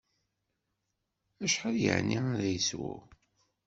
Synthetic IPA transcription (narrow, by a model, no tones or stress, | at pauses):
æʃħaljə̰ʕniaɾæjəswʊ̰